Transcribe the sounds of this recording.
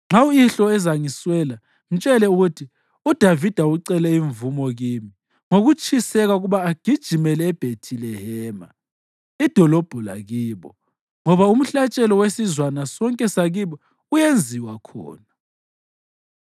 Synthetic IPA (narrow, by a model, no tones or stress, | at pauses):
ŋ͡ǁawuiɬɔɛzaŋiswɛːla | m̩t͡ʃʼɛlɛuɣutʰi | ud̥ʱavid̥ʱauǀɛlɛiɱvumɔɣiːmi | ŋoɣut͡ʃʼʰisɛɣauɣuβaːɡ̥ʱid̥ʒ̥ʱimɛlɛːb̥ʱetʰilɛhɛːma̰ | id̥ʱɔlɔb̥ʱɔla̰ɣiːβɔ | ŋɔβaum̩ɬat͡ʃʼɛlɔwesizwanasɔŋkʼɛsaɣiβɔ | ujend͡zʱiwakʰɔ̰ːna